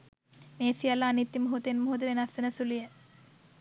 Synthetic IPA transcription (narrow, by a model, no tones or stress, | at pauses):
meːsijalːaːnit̪ːimuɦut̪enmuɦut̪̬iʋenɐsɐnɐsulijə